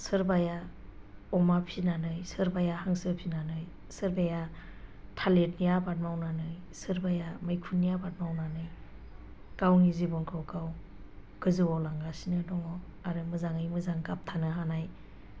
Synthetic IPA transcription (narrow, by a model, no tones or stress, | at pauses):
sɯɾbaja | ɔmapʰinanɯjsɯɾbajahaŋsɯɾpʰinanɯj | sɯɾbajatʰalet̚nijabat̚mawnanɯj | sɯɾbajamɯjkʰunːijabat̚mawnanɯj | kawnizibɔnkʰɾɔwkaw | ɡ̥ɯzɯwalaŋɡasinɯdɔŋɔaɾɯmɯzaŋɯjmɯzaŋkap̚tʰanɯɦanaj